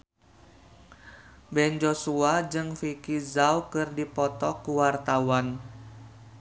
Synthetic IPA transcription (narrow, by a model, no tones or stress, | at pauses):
bɛnd͡ʒosuad͡ʒɨŋfikizawkɨrdipɔt̪ɔkuwart̪awan